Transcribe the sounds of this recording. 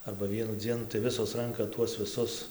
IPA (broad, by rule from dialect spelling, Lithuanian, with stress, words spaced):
ɐrbɐ ˈʋʲiɛnʊ ˈd͡zʲiɛnʊ tɐɪ ˈʋʲɪsoːs ˈrɐŋkɐ tuɔs ʋʲɪˈsʊs